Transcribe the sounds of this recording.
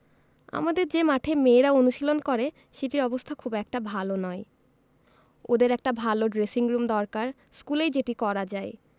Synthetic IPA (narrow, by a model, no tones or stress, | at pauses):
a̰mad̪eɾd͡ʑemaʈʰemeːɾaonuʃilonkɔɾe | ʃeʈiɾɔbost̪ʰakʰubɛk̚ʈabʱalonɔe | od̪eɾɛk̚ʈabʱaloɖɾesiŋɾumd̪ɔɾkaɾ | skulejd͡ʑeʈikɔɾad͡ʑae